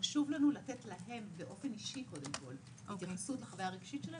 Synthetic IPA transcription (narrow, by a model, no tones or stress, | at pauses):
ʃuvlanulatetlaɦe̞mbeʔo̞fe̞niʃiko̞d̪e̞mko̞̰l | t̪isutlaχavjaaʁeɡʃitt͡ʃela